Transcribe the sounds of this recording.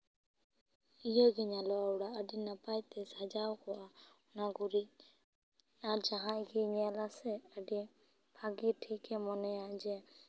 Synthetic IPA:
ijɔɡɛɲalɔawɽaʔəɖinapajt̪ɛsad͡ʒawkɔwa | naɡuɾi | aɾd͡ʒaɦãʔɡiɲalasɛəɖi | b̥ʱaɡiʈʰikɛmɔnɛjaʔd͡ʒɛ

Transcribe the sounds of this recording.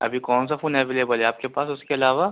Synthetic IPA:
ɐ̰bʱikɔːns̬afuːnɦɛːʋeːleːbəlɦɛaːp̚kepaːsʊskeɐlaːʋa

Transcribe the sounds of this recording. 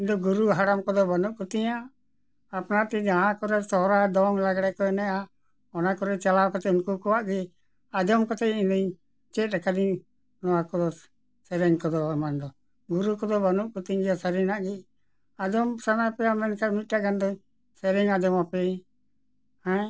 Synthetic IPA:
ind̪ɔɡuɾuɦaɽamkɔd̪ɔbanuʔkut̪iɲaː | pnat̪id͡ʒaɦãkɔɾɛsɔɦɾad̪ɔŋlaɡɽɛkɔɛnɛja | ɔnakɔɾɛt͡ʃalawkɔt̪ɛunkukɔwaʔɡi | ad͡ʒɔmkɔt̪ɛindɔɲ | t͡ʃɛt̪̚ɾɛkad̪i | nɔwakɔd̪ɔ | sɛɾɛŋkɔd̪ɔamand̪ɔ | ɡuɾukɔd̪ɔbanuʔ̚kut̪iɲɡɛasəɾinaʔɡi | ad͡ʒɔmsanajpɛjamɛnkamit̪̚ʈaʔɡand̪ɔ | sɛɾiŋad͡ʒɔmapɛ | hɛ̃

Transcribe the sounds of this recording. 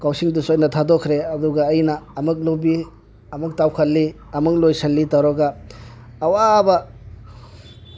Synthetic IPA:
kawsiŋdusojnɐtʰadɔkʰɾeɐduɡɐːjnɐːmɯk̬̚lobi | ɐmuk̚tawkʰɐlːi | ɐmuklojsɐlːitawɾɔɡaː | wabɐ

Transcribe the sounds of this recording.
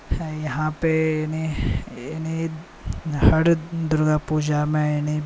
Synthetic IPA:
ɛjɐɦãpeniɪni | hɐɽd̪ʊɾɡapuːd͡ʒamɛ̃ɪni

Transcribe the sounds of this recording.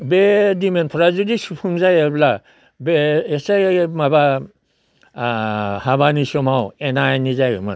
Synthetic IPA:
bedimenpʰɔɾazudisupʰuŋzajebla | beːsamaba | haβanisɔmawenajnizajɔ̰ma̰

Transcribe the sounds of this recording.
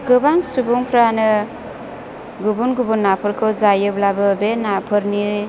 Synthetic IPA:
ɡɯbaŋsubuŋpʰɾanɯ | ɡubunɡubunːapʰɯɾkʰɯwzajɯblabɯbenapʰɯɾni

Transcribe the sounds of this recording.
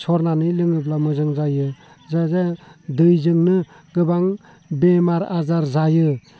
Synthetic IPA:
sʰɔɾnanɯlɯŋɯp̬lamɯzɯŋzajɯ | zazedɯjzɯŋnɯ | ɡɯbaŋ | bemaɾa̰zaɾzajɯ

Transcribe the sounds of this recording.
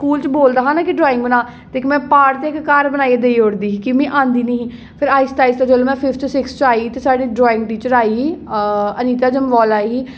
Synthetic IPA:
skuːlt͡ʃboːld̪aːɦãːnaːkɪɖɾɔːɪ̃ŋɡbənaː | t̪eːkmɛ̃ːpaːʈt̪eːɪkkaːɾbənaːieːd̪eiːʊɽd̪iːiːkɪmĩːʔãːnd̪iːnəɦiː | pʰɪɾaːɪst̪aːist̪aːd͡ʒəloːmɛ̃ːpʰɪpʰt͡ʃsɪkst͡ʃaːiːt̪eːsaːɖiːɖɾɔːɪ̃ŋɡ̚ʈiːt͡ʃəɾaːiːɦiːəniːt̪aːd͡ʒəmʋɔːlaːiɦiː

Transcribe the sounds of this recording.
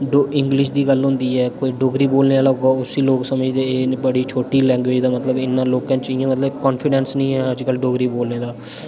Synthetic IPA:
ɖoːɪŋɡlɪʃd̪iːɡəlɦʊ̃nd̪iːɦɛːkoːiːɖoːɡɾiːboːlneːaləɡaːʊsiːloːksəməd͡ʒd̪eːeːbəɽiːt͡ʃʰoːʈiːlɛ̃ːŋɡweːd͡ʒd̪aːmət̪ləbɪnːãːloːkãːt͡ʃɪjãːmət̪ləbkɔːnpʰɪɖɛ̃ːnsnəĩːɦɛːəd͡ʒkəlɖoːɡɾiːboːlneːd̪aː

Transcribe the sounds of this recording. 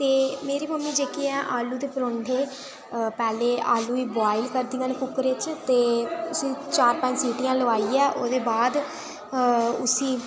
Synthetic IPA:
t̪eːmeːɾiːməmːiːd͡ʒeːkiɛːʔaːluːd̪eːpəɾõːɳɖʱeː | pɛːleːaːluːiːbaːɪlkəɾd̪ĩãːnekʊkːɾet͡ʃt̪eːʊsĩːt͡ʃaːɾpə̃ɲd͡ʒsiːʈijãːləʋaːiːɛːʔoːd̪eːbaːd̪ | ʊ̰sĩː

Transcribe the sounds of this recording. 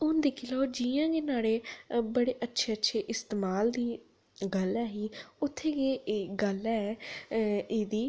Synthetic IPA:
ʊnd̪eːkʰiloːd͡ʒiãːɡeːnaːɽeːbəɽeːʔətːʃʰeːətːʃʰeːʔɪst̪eːmaːld̪iː | ɡəlɛːɦiːʊt̪ʰːeːɡeːɡəlɛː | eːd̪iː

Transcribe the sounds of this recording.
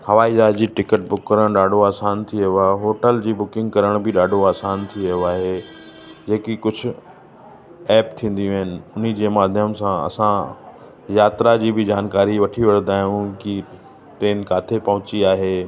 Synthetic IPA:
hɐʋaːizaːd͡ʑiːʈɪkəʈ̚bʊkːəɾəɽ̃ɗaːɖʱoaːsaːnt̪ʰiəjoaːɦeɦoːʈəld͡ʑiːbʊkɪ̃ŋɡkɐɾəɽ̃bɪɗaːɖʱoaːsaːnt̪ʰiɐjoaːɦe | d͡ʑeːkikʊd͡ʑʱʊ̆ | ɛːpt̪ʰĩːn̆d̪ĩɦɪnɪ̆ʊn̤id͡ʑeːmaːd̪ʱjəmsãɐ̰sã | jaːt̪ɾad͡ʑiːbɪd͡ʑaːnkaːɾiʋɐʈʰiʋɐɽnd̪aːɦijũki | t̪ẽːnɪ̆kaːt̪ʰepɐɦʊ̃t͡ɕiaːɦeː

